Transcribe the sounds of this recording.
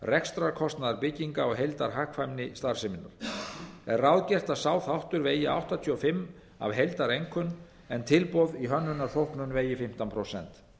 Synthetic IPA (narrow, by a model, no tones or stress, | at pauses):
rɛkst̪ɾaɾkʰɔst̪naðaɾpɪcːiŋkaɔɣɦejlt̪aɾ̥ɦahkʰfajmnɪst̪aɾ̥sɪmɪnːa̰ɾ̥ɛrrawðcɛr̥t̪asaːwθawht̪ʏɾveːjɪa̰wht̪at̪ʰiːɔfɪmː | a̰vɦejlt̪aɾejŋkʰʏn | ɛnt̪ʰɪlpɔðiɦœnːʏnːaɾ̥θowhknʏnveːjɪfɪm̥t̪anpʰɾowsɛ̰n̥t̪